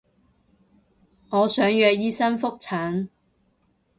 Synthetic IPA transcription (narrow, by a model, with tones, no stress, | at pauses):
ŋɔː˨˧sœː˨˥ŋjœː˧k̚jiː˥sɐ˥nfʊ˥k̚t͡sʰaː˨˥n